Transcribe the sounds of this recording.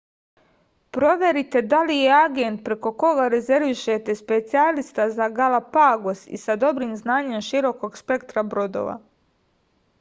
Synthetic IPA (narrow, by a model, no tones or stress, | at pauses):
pɾo̞ʋje̞ɾit̪e̞d̪alijeaɡe̞nt̪̚pɾe̞ko̞ko̞ɡaɾe̞zeɾʋiʃet̪e̞spe̞t̪sialist̪azaɡalapaɡosḭsad̪o̞bɾiːmznaːɲe̞mʃiɾo̞ko̞ɡspe̞kt̪ɾabɾo̞d̪o̰ʋa̰